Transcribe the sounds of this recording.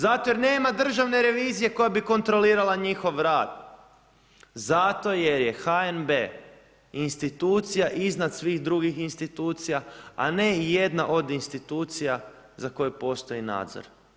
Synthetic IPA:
zat̪ojeɾne̞ːmad̪r̩ʒaʋne̞ɾe̞ʋiːzije̞ko̞jabiko̞nt̪ɾo̞liːɾalˠaɲixo̞ʋɾaːd̪̥ | zat̪o̞je̞ɾje̞xaenbe | inst̪it̪uːt̪sijaʔiznad̪sʋiːɣd̪ɾuɡixinst̪it̪uːt̪sijaa̰ne̞je̞d̪na̰ʔo̞d̪inst̪it̪uːt̪sija | zako̞jepo̞st̪o̞ina̰ːd̪zo̰ɾ

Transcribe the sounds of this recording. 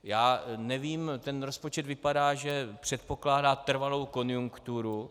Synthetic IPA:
jaːnɛviːmt̪ɛnɾo̞spo̞t͡ʃɛt̪vɪpadaːʒɛpr̝̥ɛt̪̚po̞klaːdaːt̪r̩valo̞wko̞njuŋkt̪uɾu

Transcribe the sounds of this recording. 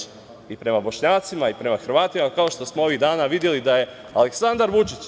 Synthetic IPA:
ipɾe̞mabo̞ʃɲaːt̪simaipɾe̞maxɾ̩ʋaːt̪imakao̞ʃt̪o̞smoo̞ʋiɣd̪aːnaʋid̪je̞lid̪aje̞ | ale̞ksand̪aɾʋut͡ʃit͡ɕ

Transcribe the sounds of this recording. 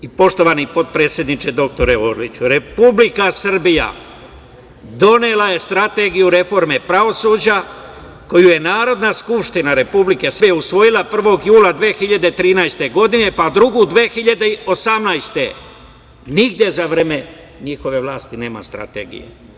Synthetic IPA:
ipo̞ʃt̪o̞ʋanipo̞t̪̚pɾe̞ːt̪sʲjed̪nit͡ʃe̞d̪o̞k̚t̪o̞ɾeoːɾlḭt͡ɕuɾe̞publikasr̩bija̰ | d̪o̞nelaje̞st̪ɾat̪e̞ɡijuɾe̞fo̞ɾme̞pɾaʋo̞suːd͡ʑa | ko̞juje̞naːɾo̞d̪naskupʃt̪inaɾe̞publike̞sjeusʋo̞jilˠapr̩ʋo̞ɡjuːlad̪ʋe̞ːxiʎad̪e̞t̪ɾiːnajst̪e̞ɡo̞d̪ine̞pad̪ɾuɡud̪ʋe̞ːxiʎad̪eiosamnajst̪e̞ | niɡd̪je̞zaʋɾeme̞ | ɲixo̞ʋe̞ʋlˠaːst̪ine̞ːma̰st̪ɾa̰t̪e̞̰ɡḭjḛ

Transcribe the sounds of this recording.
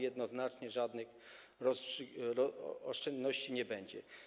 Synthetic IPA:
jɛd̪nɔznat͡ʂɲɛʐad̪nɘx | ɾɔsɔɔʂt͡ʂɛnd̪nɔɕt͡ɕiɲɛbɛɲd͡ʑɛ̰

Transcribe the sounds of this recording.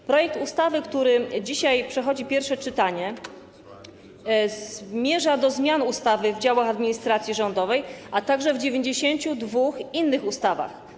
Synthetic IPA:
pɾɔjɛk̚t̪ust̪avɘkt̪uɾɘd͡ʑiɕajpʂɛxɔd͡ʑipʲjɛɾfʂɛt͡ʂɘt̪aɲɛ | zmʲjɛʐad̪ɔzmʲjanust̪avɘvd͡ʑawaxad̪mʲiɲist̪ɾat̪sʲjiʐɔnd̪ɔvɛjʔat̪aɡʐɛvd͡ʑevʲjeɲd͡ʑeɕeɲt͡ɕud̪vuxinːɘxust̪ava̰x

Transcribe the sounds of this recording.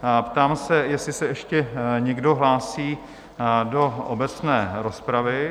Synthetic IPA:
pt̪aːmsɛjɛsɪsɛʔɛʃcɛɲɛɡdo̞ɦlaːsiː | do̞ʔobɛt͡snɛːɾo̞spɾavɪ

